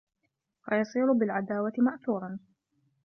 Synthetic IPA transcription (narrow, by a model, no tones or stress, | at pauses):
fajɑsˤiːɾʊbɪlʕad̪aːwat̪ɪmaʔθuːɾˤɑn